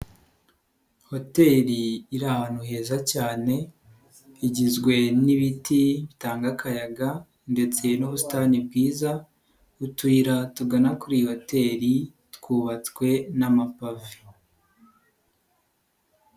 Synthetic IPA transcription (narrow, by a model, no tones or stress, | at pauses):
ho̞te̞ɾiːɾahaːn̥huɦe̞ːzacaːne̞ | iɟizɡwe̞niβitʰiβitaːŋɡakʰajaɡa | nde̞t͡se̞noβusu̥tanib̚ɡiːza | utwiːɾatuɡanakuɾiho̞te̞ɾi | tkuːβat͡skwe̞namapavi̥